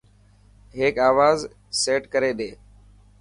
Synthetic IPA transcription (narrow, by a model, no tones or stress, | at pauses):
ɦeːkaːʋaːz | seːʈkəɾeːɗeː